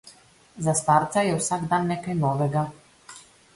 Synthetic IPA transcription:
zast̪aɾt̪sajɛwsaɡd̪anːeːkajnɔːʋɛɡa

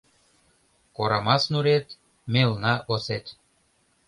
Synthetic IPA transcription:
koɾɑmɑsnuɾet̪ | melnɑʔoset̪ʲ

